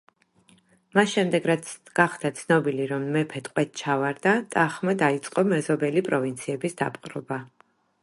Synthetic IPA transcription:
masʃɛmd̪ɛɡɾas | ɡ̥aχd̪̥at̪sʰnɔbiliɾɔmmɛpʰɛt̪ʼqʼwɛt̪̚ʰt͡ʃʰavaɾd̪at̪ʼaχmad̪ait̪sʼqʼɔmɛzɔbɛlipʼɾɔvint̪sʰiɛbisd̪a̰pʼqʼɾɔba

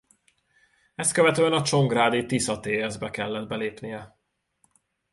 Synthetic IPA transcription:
ɛst̪kø̞vɛt̪øːɛnɒt͡ʃo̞ŋɡraːd̪it̪isɒt̪eːjɛzbɛkɛlːɛd̪̚bɛleːpnijɛ

